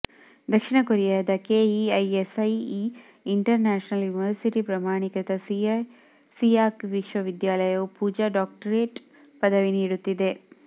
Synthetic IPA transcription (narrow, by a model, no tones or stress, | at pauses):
d̪ɐkʂiɳɐkoɾijaːd̪ɐkeiɐjesɐji | iɳʈɐɾnaːʃɐnɐljuniʋɐɾsiʈipɾɐmaːɳikɐt̪ɐs | siaːkʋiʃʋɐʋid̪jaːlɐjɐupuːd͡ʒaːɖaːk̚ʈɐɾeːʈ | pɐd̪ɐʋiniːɽut̪ːid̪e̞